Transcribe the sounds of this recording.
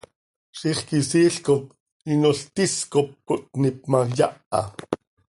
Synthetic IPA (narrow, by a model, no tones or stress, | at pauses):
ʃiχkisiːɬkot | inoɬt̪iskop̚kot̪̚nip̚majaʔɑ̰